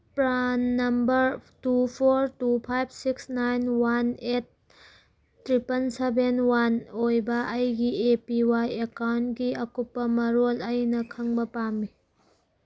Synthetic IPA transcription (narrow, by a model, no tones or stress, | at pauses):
pɾanːɐmbɐɾtupʰoɾtupʰajb̚ʱsiksnajnwanet̚ | tːɾipɐnsebʱenwanojbɐʔɐjɡiepiwajekawntɡiɐkupːɐmɐɾolɐjnɐkʰɐŋbɐpamːi